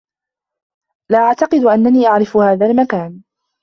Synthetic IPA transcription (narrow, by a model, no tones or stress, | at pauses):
laːʔaʕt̪ɑqɨd̪ʔanːaniːʔaʕɾɪfʊhaːðalmakaːn